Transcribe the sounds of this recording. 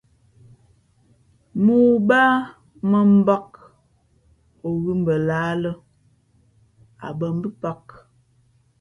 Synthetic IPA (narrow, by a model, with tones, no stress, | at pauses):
mu˨baː˦ | mə˦m̩˦ba˦k̚ | o˨ɣʉ˦m̩˨bə˨laː˨˦lə˦ | a̰˨bə˨m˦bi˦pa˦k